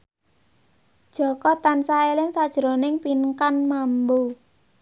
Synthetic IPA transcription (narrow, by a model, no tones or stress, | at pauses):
d̥ʒ̥ɔ̤kɔt̪ansaelɪŋsad̥ʒ̥ɾo̤nɪŋpinkanmambo